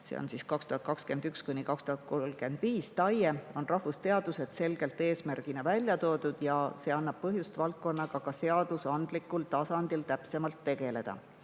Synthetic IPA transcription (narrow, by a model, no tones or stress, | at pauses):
sḛo̰nsiːskɑkst̪uhɑt̪̚kɑkske̞nd̪ykskujnikɑkst̪uhɑt̪̚kolɡ̥e̞nd̪̥viːst̪ɑjeo̞nrɑhvust̪e̞ɑd̪̥use̞d̪̥se̞lɡ̥e̞lt̪ːe̞ːsmærɡ̥inɑvælʲjɑt̪o̞ːd̪̥ud̪̥jɑse̞ːɑnːɑb̥̚pɤɦjust̪vɑlt̪̚ko̞nːɑɡ̥ɑkɑse̞ɑd̪̥usɑnd̪̥likːˑult̪ɑsɑnd̪̥ilt̪æpse̞mɑlt̪ːe̞ɡ̥e̞le̞d̪̥ɑ̰